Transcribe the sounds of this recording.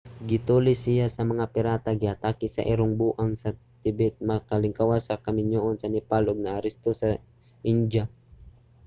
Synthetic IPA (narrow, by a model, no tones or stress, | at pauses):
ɡit̪ulisijasamaŋapiɾat̪aɡiat̪akisa̰ʔiɾʊŋbuʔaŋsat̪ibɛt̪̚makalɪŋkawasakamiɲoʔɔnsanipaloɡ̚naːɾist̪osa | iɲd͡ʒa